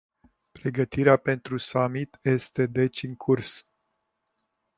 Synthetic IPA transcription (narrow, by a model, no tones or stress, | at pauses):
pɾe̞ɡət̪iɾeape̞nt̪ɾusamit̪je̞st̪e̞d̪e̞t͡ʃʲɨŋkʰurs